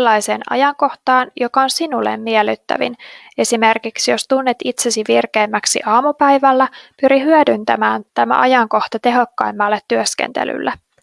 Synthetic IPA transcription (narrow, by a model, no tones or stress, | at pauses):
lːɑjse̞ːnɑ̰jɑŋko̞ht̪ɑːnjo̞kɑonsinulːḛmːiɛlːyt̪ːæ̰ʋḭn | e̞sime̞rkiksjo̞st̪unːet̪it̪se̞siʋirkeːmːæksḭʔɑːmupæjʋælːæpyɾiɦyødynt̪æmæːnt̪æmæ̰ʔɑjɑŋko̞ht̪ɑt̪e̞ɦo̞kːɑjmːɑlːet̪ːyøskḛnt̪ḛly̰lːe